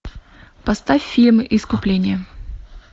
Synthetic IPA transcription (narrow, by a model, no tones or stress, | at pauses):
pɐst̪afʲfʲilʲmɨʔiskʊplʲenʲɪjə